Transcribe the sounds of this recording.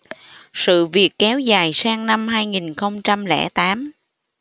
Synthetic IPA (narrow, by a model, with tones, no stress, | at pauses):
sɨ̰˧˨vi˨˩əkːɛ˨˦wzaː˨˩jsaː˧ŋna˧mɦaː˧jŋi˨˩nxə˧wŋ͡mt͡ɕa˧mlɛ̰˧˩t̪aː˨˦m